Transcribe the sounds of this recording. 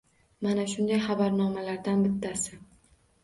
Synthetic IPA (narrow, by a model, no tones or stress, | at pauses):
manaʃʊnd̪ajχabaɾnɒmalaɾd̪anbɪt̪ʰːasɪ